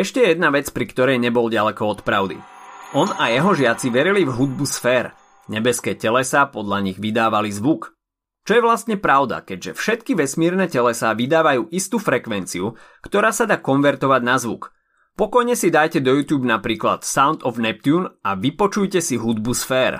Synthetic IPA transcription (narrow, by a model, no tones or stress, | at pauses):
ɛʃcɛjɛd̪naʋɛt͡spɾikt̪ɔɾɛjɲɛbɔlɟalɛkɔɔt̪pɾaʊd̪ḭʔɔnajɛɦɔʒɪat͡siʋɛɾilivɦud̪̚busfɛːɾ | ɲɛbɛskɛːcɛlɛsaːpɔd̪ʎaɲiɣʋid̪aːʋalizʋuk | t͡ʃɔjɛʋlast̪ɲɛpɾaʊd̪a̰kɛɟʒɛfʃɛt̪kiʋɛsmɪɛɾnɛːcɛlɛsaːʋid̪aːʋajuːʔist̪uːfɾɛkʋɛnt͡siukt̪ɔɾaːsad̪aːkɔnʋɛɾt̪ɔʋaɟnazʋṵk | pɔkɔjɲɛsid̪ajcɛd̪ɔjuːt̪juːbnapɾiːkla̰t̪saʊnt̪ɔvnɛp̚t̪juːnaʋipɔt͡ʃujcɛsiɦud̪busfɛːɾ